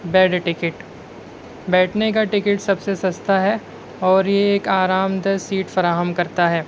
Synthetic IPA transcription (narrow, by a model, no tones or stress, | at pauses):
bɛːɖʈɪkɪʈ | bɛːʈʰnek̬aʈɪkɪʈsɐbsesɐst̪ʰaɦɛ | ɔːɾjeeːkaːɾaːmd̪əsiːʈfɐɾaːɦəmkɐɾt̪aɦɛː